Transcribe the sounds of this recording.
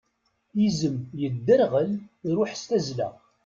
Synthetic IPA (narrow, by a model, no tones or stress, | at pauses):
jizəmjəd̪ːəɾʁəlɾʊħst̪æzlæ̰